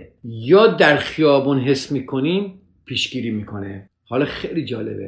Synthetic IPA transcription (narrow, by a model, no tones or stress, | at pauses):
jɒːd̪æɾxijɒːbunɦesmiːkʰo̞niːm | pʰiːʃɡ̥iːɾiːmiːkʰo̞ne | hɒːlɒːxejliːd͡ʒɒːle̞̰bḛ